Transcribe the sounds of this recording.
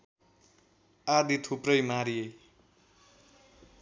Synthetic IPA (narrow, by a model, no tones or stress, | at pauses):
ad̪it̪ʰuprʌjmaɾijej